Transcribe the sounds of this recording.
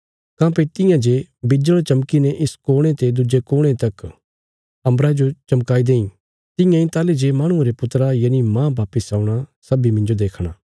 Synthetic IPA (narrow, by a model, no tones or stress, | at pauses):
kãːpet̪ɪ̃jãd͡ʒebɪd͡ʒəɭt͡ʃɐmkineʔɪskoːɽ̃ẽt̪ed̪ʊd͡ʒekoːɽ̃et̪ɐk | ɐ̃mbɾad͡ʒot͡ʃɐmkaːid̪eːĩ | t̪ɪjãĩt̪aːled͡ʒemaːɽ̃ʊ̃ɾepʊt̪ɾajɐnimãːbaːpɪsaːũɽ̃asɐbimɪ̃nd͡ʒod̪eːkʰɽ̃aː